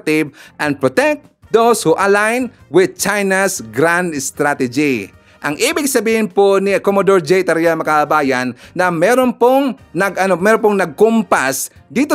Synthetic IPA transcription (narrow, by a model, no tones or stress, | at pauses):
t̪ɪvʔɐ̃n̚pɹot̪ɛk̪̚ | d̪owshuʔɐlajn | wɪd̪̚t͡ʃajnasɡɾand̪st̪ɾat̪ɛd͡ʒi | ʔɐŋʔiːbɪɡsɐbiːhɪnponɪkomod̪oɹd͡ʒɛjt̪ɐɾɛjamɐkabɐbaːjɐnːɐmɛːɾonpoŋnɐɡɐnomɛːɾopoŋnɐɡ̚kʊmpas | d̪iːt̪o